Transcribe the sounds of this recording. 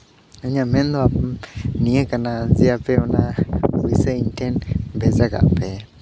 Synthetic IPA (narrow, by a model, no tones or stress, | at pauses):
aɲamɛ̃nd̪aniekanazɪapɛonawisaintɛnbɛzaka̰pɛ